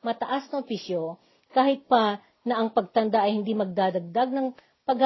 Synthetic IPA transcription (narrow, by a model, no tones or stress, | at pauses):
mɐt̪ɐʔasnɐʔʊpisjo | kaːhɪt̪̚pɐ | nɐʔɐŋpɐɡ̚t̪ɐnd̪aʔɐjhɪnd̪imɐɡ̚d̪aːd̪ɐɡ̚d̪aɡ̚nɐŋ | pɐɡha